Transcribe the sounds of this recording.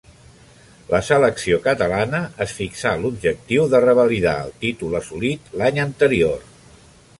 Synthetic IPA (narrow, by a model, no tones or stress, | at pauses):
lʔəsələksiokət̪əlanəʔəsfiksalubʒək̚t̪iwðərəβəliða̰ə̰lˠt̪it̪uləsulit̪laɲənt̪əɾior